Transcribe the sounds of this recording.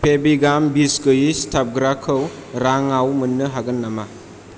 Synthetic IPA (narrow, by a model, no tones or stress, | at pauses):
pʰebiɡambiskɯjistʰap̚ɡɾakʰɯwɾaŋawmɯnːɯɦaɡɯnːama